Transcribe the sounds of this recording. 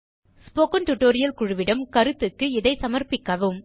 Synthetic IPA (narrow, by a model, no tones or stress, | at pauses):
spoːkɐnʈʊʈːoːɾɪjɐlkʊɻɯʋɪɽɐmkɐɾɯt̪ːɯkːɯɪðɐɪsɐmɐɾpɪkːɐʋɯm